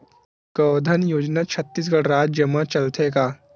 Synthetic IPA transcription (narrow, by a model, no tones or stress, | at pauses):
kəːd̪ʱənjoːd͡ʒnat͡ʃʰɐt̪ːis̬ɡɐɽɾaːt̪̚d͡ʒɐmːat͡ʃɐlt̪ʰekaː